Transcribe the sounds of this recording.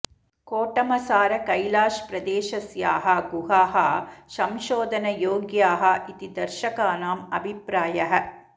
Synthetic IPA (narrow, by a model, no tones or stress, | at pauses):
koːʈɐmɐsaːɾɐkɐjlaːʃpɾɐd̪eːʃɐsjaːɦɐɡuɦaːɦɐsɐmʃoːd̪ʱɐnɐjoːɡjaːɦɐʔit̪id̪ɐɾʃɐkaːnaːmɐbʱipɾaːjɐɦɐ̆